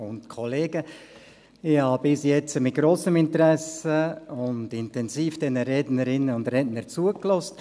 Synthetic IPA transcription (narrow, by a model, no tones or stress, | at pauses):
ʊntkʰoleːɡə | ɪhɑːbɪsjɛt͡səmɪt̚ɡ̥ɾoːsəmɪntəɾɛsəʊndɪntɛnziːfd̥ɛnəɾɛdnəɾɪnːəʊndɾɛdnəɾt͡suəklɔst̚